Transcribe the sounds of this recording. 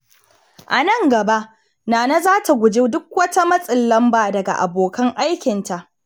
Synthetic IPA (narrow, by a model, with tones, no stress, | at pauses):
ʔa˨nɐ˦˨ŋɡɐ˨ba˦ʔ | naː˨na˦zaː˦tʰa˨ɡʷʊ˨d͡ʒeː˦dʊ˦k̚wɐ˦ta˦mɐ˦sʼɪ˨lːɐ˦mbaː˨dɐ˨ɡa̰˨ʔa˨boː˨kɐ˦ŋʔa˦jkʲɪ˨nta˨ʔ